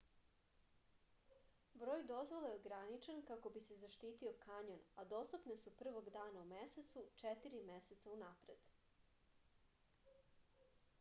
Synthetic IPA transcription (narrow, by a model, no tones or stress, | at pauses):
bɾo̞ːjd̪o̞zvo̞lˠajeoɡɾanit͡ʃenkako̞bise̞zaʃt̪iːt̪io̞kaɲonad̪o̞st̪upnesupr̩ʋo̞ɡd̪aːnaumeset̪sut͡ʂet̪iɾimeset̪saunapɾe̞d̪̥